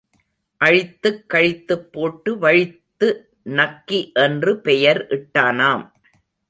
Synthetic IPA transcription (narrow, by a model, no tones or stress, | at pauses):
ʔɐɻɪt̪ːɯkːɐɻɪt̪ːɯpːoːʈːɯʋɐɻɪt̪ːɯ | nɐkːiʔɛndrɯpɛjɐɾʔɪʈːaːnaːm